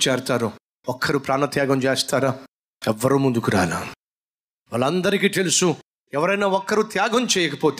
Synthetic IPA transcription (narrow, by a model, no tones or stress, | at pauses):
t͡ʃɛːɾt̪aːɾu | ɔkʰːɐɾupɾaːnɐt̪jaːɡɐmt͡ʃeːst̪aːɾaː | ɛʋːɐɾuːmund̪ukuɾaːla | ʋaɭːɐnd̪ɐɾikiːt̪elusu | ɛʋɐɾɐjnaːɔkːɐɾut̪jaːɡʱɐmt͡ʃɛːjɐkɐpoːt̪